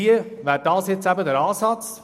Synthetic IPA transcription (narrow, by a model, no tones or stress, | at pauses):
iəʋæːdɑːsjɪt͡sæbədəɾɑːsɑt͡s